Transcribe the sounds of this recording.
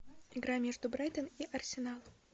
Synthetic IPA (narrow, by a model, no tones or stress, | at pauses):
ɪɡɾamʲeʐd̪ʊbɾajt̪əniʔɐrsʲɪnalˠ